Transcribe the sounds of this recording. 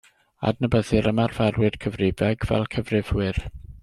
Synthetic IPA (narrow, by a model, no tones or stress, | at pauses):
a̰dnəbəðɨɾəmarvɛrwɨd̥kʰəvrɪvɛɡvɛ̰lˠkʰəvrɪvwɪr